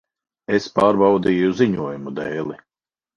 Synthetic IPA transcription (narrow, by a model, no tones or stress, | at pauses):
espaːɾbawd̪iːjuziɲuɔjumud̪ɛːlˠi